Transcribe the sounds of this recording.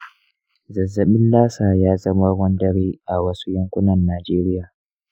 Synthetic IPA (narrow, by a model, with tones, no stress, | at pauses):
zɐ˨zːɐ˨mɪ˦nlaː˦saː˨jaː˦zɐ˦ma˦ɡʷɔ˦ndɐ˦ɽiː˦ʔa˨wɐ˦su̥˦jɐ˦ŋkʷʊ˦nɐ˨nːaː˨d͡ʒeː˦ɾɪ˦jaː˨